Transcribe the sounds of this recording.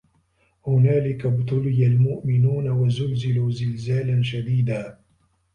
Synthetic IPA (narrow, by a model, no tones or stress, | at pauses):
hʊnaːlɪkabt̪ˤʊlɪjalmʊʔmɪnuːnawazʊlzɪluːzɪlzaːlanʃad̪iːd̪aː